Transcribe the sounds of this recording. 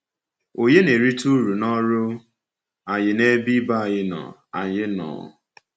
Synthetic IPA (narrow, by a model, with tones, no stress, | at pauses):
o˨ɲe˦ne˨ɾi˦tu˦ɾu˨nɔ˦ɾʊ˦ | a˨ɲɪ˨ne˦bi˦ba˦a˨ɲɪ˦nɔ̰˨ | a˨ɲɪ˦nɔ̰˨